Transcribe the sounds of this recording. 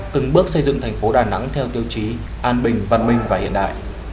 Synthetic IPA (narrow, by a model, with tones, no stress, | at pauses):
t̪ɨ˨˩ŋɓɨ˦˥ək̚sə˧jzɨ̰˧˨ŋt̪ʰɛ˨˩ŋ̟fo˨˦ɗaː˨˩na̰˧˥ŋt̪ʰɛ˧wt̪i˧əwt͡ɕi˨˦ | ʔaː˧nɓï˨˩ŋ̟və̰˧˨nmï˧ŋ̟vaː˨˩hḭ˧˨ənɗa̰ː˧˨jʔ